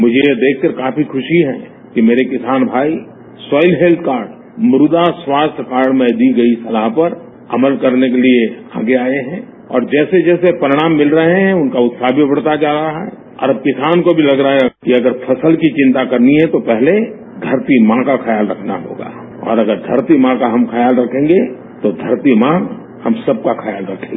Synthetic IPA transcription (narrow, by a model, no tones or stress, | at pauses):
mʊd͡ʒʱejed̪eːkʰkɐɾkaːpʰikʰʊʃiɦɛ̰̃ | kimeːɾekɪsaːnbʱaːi | sɔːɪlɦeːlt̪̚ʰkaːɾɖ | mɾʊd̪aswaːst̪ʰkaːɾɖmẽd̪iɡɐisɐlaɦpɐɾ | ɐ̰məlkɐɾnekelie | a̰ːɡeaːeɦɛ̃ː | ɔ̰ːɾd͡ʒɛːsed͡ʒɛːsepəɾɪɽ̃aːmːɪlɾɐɦeɦɛ̃ʊnkaʊt̪saɦbʱibəɽt̪ad͡ʒaːɾɐaɦɛ̰ː | ɔ̰ːɾəb̚kɪsaːnkobʱilɐɡɾakiɐɡəɾpʰɐsəlkit͡ʃɪ̃nt̪akɐɾniɦɛ̃t̪opɛɦle | d̪ʱɐɾt̪imãkaxʰɐjaːlɾɐkʰna̰ɦo̰ːɡa̰ː | ɔ̰ːɾɐɡəɾd̪ʱɐɾt̪imãkaɦɐmxʰɐjaːlɾɐkʰẽːŋɡe | t̪od̪ʱɐɾt̪imã | hɐmsɐb̚kaxʰɐjaːlɾɐkʰẽɡ